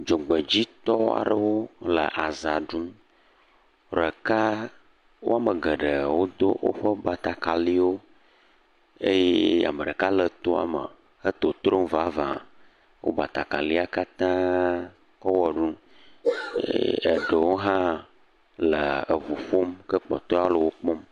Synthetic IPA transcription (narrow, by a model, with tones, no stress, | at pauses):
d͡ʒo˨ɡ͡bə˨d͡ʑi˦t̪ɔ˦a̰˨ɖə˨wo˦lə̰˨ʔa˨za˨ɖu˦m | ɖə˨ka˦ | wo̰˦a˦mə˨ɡə˨ɖə˨wo˦d̪o˦wʔo̰˦ɸə˦ba˨t̪a˨ka˨li˦wo˦ | e˦jɛ˦a̰˨mə˨ɖə˨ka˦lə˨t̪o˦a̰˨mə̰˨ | ə˦t̪o˨t̪ɾo˦m˦va˦vã˨ | wʔo̰˦ba˨t̪a˨ka˨li˦a˨ka˦t̪ã˦ | kɔ˦wɔ˨ɖu˦ | ə̰˨ɖə˨wo˦ɦã˦ | lə˨ə˨vu˨ɸo˦mkə˦k͡pɔ̰˨t̪ɔ˦a˦lə˨wo˦k͡pɔ˦m